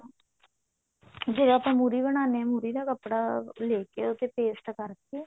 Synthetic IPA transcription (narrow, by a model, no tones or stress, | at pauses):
d͡ʒeːɽãapãːmuɾiːbəɽ̃aːneːɛmuːɾiːd̪aːkəpːɽaːleːkeʊt̪eːpeːsʈkəɾeː